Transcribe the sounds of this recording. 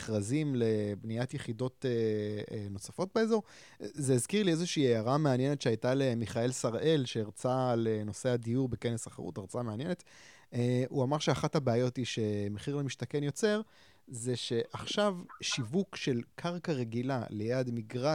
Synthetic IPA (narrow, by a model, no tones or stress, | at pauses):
χʁazimle̞bniatjeχido̞te | no̞safo̞t̚beezo̞ʁ | zeːzkiʁliezeʃiːeaʁameanjenetʃeajtalemiχae̞lsaʁʔe̞lʃeːʁt͡saleno̞se̞adijuʁbeke̞nesaχḛʁṵtaʁt͡sameanjene̞t | euamaʁʃeaχathabeajo̞tiʃe̞meχiʁlemiʃtakenjo̞t͡se̞ʁ | ze̞ʃe̞ʔaχʃavʃivukʃe̞lkʰaʁkaʁe̞ɡilale̞jad̪miɡʁa